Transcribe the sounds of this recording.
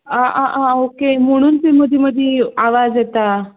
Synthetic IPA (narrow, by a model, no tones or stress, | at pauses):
aʔaʔaokem̤əɽ̃uːnt̪iməd̪ʱjeməd̪ʱjeaʋad͡zjet̪a